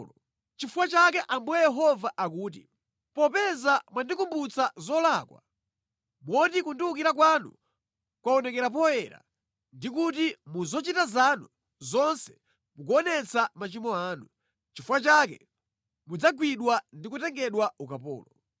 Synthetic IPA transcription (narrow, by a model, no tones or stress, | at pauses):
lɔ | t͡ʃifuwat͡ʃakɛʔambuɛjɛɦɔvaʔak̬uːt̬ḭ | pɔpɛzamwandikumbut͡sazɔlakwa̰ | mwɔtikundiuk̬iɾak̬wanṵ | kwaɔnɛkɛɾap̬ɔɛɾa̰ | ndikutimuzɔt͡ʃitazanu | zɔnsɛ̥ | muk̬ɔnɛt͡samat͡ʃimɔaːnu | t͡ʃifuwat͡ʃakɛ̰ | mud͡zaɡwiɗwandikutɛŋɡɛɗwaukapɔ̰ːlɔ